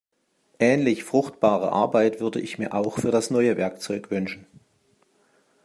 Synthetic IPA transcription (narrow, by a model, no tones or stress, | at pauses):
ʔɛːnlɪçfʁ̥ʊxtb̥aːʁə̰ʔa̰ɐbaɪtv̥ʏɐdəʔɪçmiːɐʔaʊxfyːɐdasnɔʏəvɛɐkt͡sɔʏkv̥ʏnʃn̩